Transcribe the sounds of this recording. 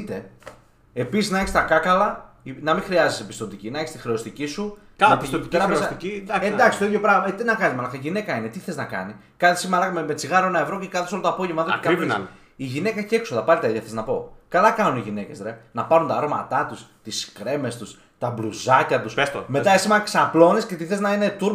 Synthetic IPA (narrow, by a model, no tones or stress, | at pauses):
t̪e̞ | episiznɐeçist̪ɐkɐkɐlɐ | inɐmĩxɾiɐzisepi̥st̪ot̪icinɐeçi̥st̪ixɾe̞ost̪icisu | et̪it̪ɾɐessiiɐed̪ɐksist̪oiðjopɾɐɣmt̪inɐkɐnizmalɐkɐiʝine̞kɐinet̪iθeeznɐkɐ̰ni | kɐnisimalɐkmemet͡siɣɐɾoenɐevɾo̞cekɐθosolot̪oapo̞ʝevmɐðot̪e̥kis | iʝine̞kɐcekso̞ðɐpɐlit̪ɐiðɐθeznɐpo̞kɐlɐkɐnuniʝine̞ce̞̰sɾenɐpɐɾunt̪ɐɾo̞mɐ̰t̪ɐt̪ust̪iskɾe̞me̞st̪us | t̪ɐbluzɐcɐt̪uspestmet̪ɐesimɐksɐplo̞nesce̞t̪iθe̞znɐine̞t̪uɾ